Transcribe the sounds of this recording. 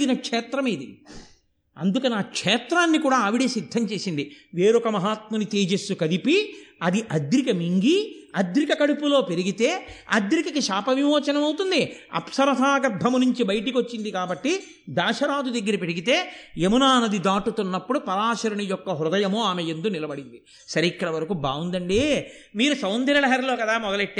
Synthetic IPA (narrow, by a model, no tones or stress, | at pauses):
ɡinɐkʂɛːt̪ɾɐmeːd̪i | ɐ̰nd̪ukɐniaːkʂɛːt̪ɾaːnːikuːɽaːɐʋiɽeːsid̪ʱːɐɲt͡ʃe̞ːsind̪iʋeːɾɔkɐmɐɦaːt̪mɐnit̪eːd͡ʒesːukɐd̪ipiɐd̪iʔɐd̪ɾikɐmiŋɡiɐd̪ɾikɐkɐɽupulo̞ːpe̞ɾiɡit̪e̞ːɐ̰d̪ɾikɐkiʃaːpɐʋimoːt͡ʃɐnɐmɐwt̪und̪iɐ̰psɐɾɐt̪ʰaːɡɐɾb̪ʱːɐmunuɲt͡ʃibɐjʈiko̞t͡ʃːind̪ikaːbɐʈːi | d̪aːʃɐɾaːd̪ud̪ɐɡːɐɾipe̞ɾiɡit̪e̞ːemunaːnɐd̪id̪aːʈut̪unːɐpːuɽupɐɾaːʃɐɾɐɳijɔkːɐɦɾud̪ɐjɐmoaːmejend̪unilɐbɐɽind̪i | sɐɾeikːɐɽɐʋɐɾɐkubaːwund̪ɐɳɖi | miːɾusɐwnd̪iɾɐlɐɦɐɾlo̞ːkɐd̪aːmɔd̪ɐleʈːe